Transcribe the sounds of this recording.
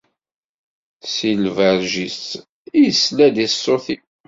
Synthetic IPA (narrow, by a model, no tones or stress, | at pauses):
silvæɾʒis | ijslæd̪isːoθi